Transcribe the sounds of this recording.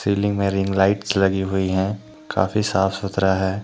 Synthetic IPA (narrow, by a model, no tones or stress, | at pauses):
siːlɪ̃ŋɡmẽɾɪ̃ŋɡlaːɪʈslɐɡiɦʊiɦɛ̃ | kʰa̰ːfisaːfsʊt̪ɾaɦɛː